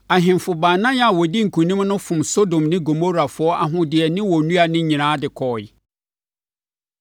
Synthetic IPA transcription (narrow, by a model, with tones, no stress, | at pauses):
a˨ɦɪ̃˨mfʊ˨baː˨nã˦ja˨wɔ˨di˦ŋ̩˨kʰũ˨nĩ˦m˦nʊ̃˦fʊ̃˨mso˦dõ˨mnɪ̃˦ɡo˨mo˦ɾa˨fʊ˨ɔ˦ʔa˨ɦʊ̃˦dɪ˨ɛ˨nɪ̃˦wɔ˨nũ˦a˨nɪ̃˦ɲĩ˨nãː˨˦dɪ˨kʰɔː˨ɪ˨